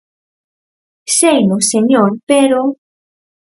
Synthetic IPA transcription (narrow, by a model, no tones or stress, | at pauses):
sejnoseɲoɾpeɾo